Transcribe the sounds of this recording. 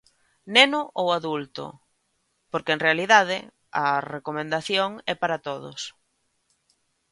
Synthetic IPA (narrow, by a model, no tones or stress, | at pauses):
nenʊʔowaðult̪ʊ̰ | poɾkeeŋrealiðaðɪ | ɐrekomẽnd̪aθjoŋɛpaɾat̪oðʊ̰s